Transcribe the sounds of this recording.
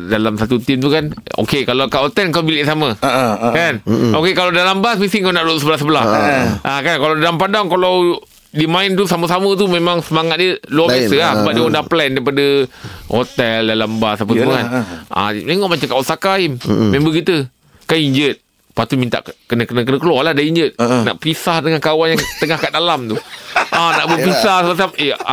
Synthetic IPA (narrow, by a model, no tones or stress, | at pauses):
dalamsat̪ut̪imt̪ukano̰kekalakaʔot̪ɛlŋkawbiliʔsamakanʔokekalawdalambasmisiŋkawnaʔɾoʔsəbəlahsəbəlahʔakankalawdalampadaŋkalaw | dimãint̪usaməsamət̪umemãŋsəmaŋat̪̚diəluabjasəlahsəbap̚diəundaŋplɛndaip̬adəhot̪ɛldalambasap̬əsəmuana̰meŋɔʔmat͡ʃamkawansakaimmẽmbəkit̪ə | kaniɲd͡ʒət̪̚ | pat̪umint̪a̰ʔkənəkənəkənəkəlwaladaiɲd͡ʒət̪̚na̰ʔpisahdəŋankawanjaŋt̪əŋahkaʔdalamt̪uʔanaʔbəpisahsəbas̬ap̚ea